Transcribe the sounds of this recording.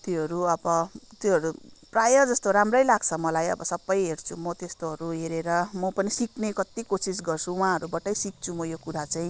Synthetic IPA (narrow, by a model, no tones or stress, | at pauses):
t̪joɦʌɾuʌbʌt̪joɦʌɾuprajʌd͡zʌst̪oɾamrʌjlaɡt͡sʰʌmʌlajʌ̰bʌsʌbːʌjɦert͡sʰumʌt̪est̪oɦʌɾuɦeɾeɾʌmʌpʌnisiknekʌt̪ikosis̬ɡʌrt͡sʰuwɦãɦʌɾubaʈʌjsik̚t͡sʰumʌjokuɾat͡saĩ